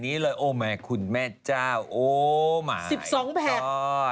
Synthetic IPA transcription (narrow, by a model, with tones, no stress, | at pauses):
niː˦˥lɤː˧jʔoː˧˩mɛː˧˩kʰu˧nmɛː˥˩t͡ɕaː˥˩wʔoː˧˩ma̰ː˩˦si˨˩p̚sɔː˩˦ŋpʰɛː˨˩